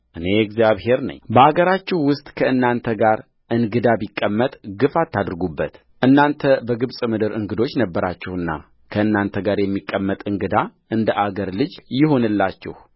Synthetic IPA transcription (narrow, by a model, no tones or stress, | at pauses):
ʔɨne̞ɛɡzjaβhe̞ɾnə̰ɲːbəaɡəɾat͡ʃːɪhwʊst̪ʼkʰəɨnːant̪ʰəɡaɾ | ʔɨŋɡɨd̪abikʼːəmːət̪ʼɡɨfat̪ʰːad̪ɾɨɡubːət̪ | ʔɨnːant̪ʰəbəɡɨβsʼmɨd̪ɨɾɨŋɡɨd̪o̞t͡ʃːnəbːəɾat͡ʃːɪhɨnːa̰ | kʰəɨnːant̪ʰəɡaɾjɛmːikʼːəmːət̪ʼɨŋɡɨd̪aʔɨnd̪əʔaɡəɾlɨd͡ʒjɪɦo̞nɨlːat͡ʃːɪ̰h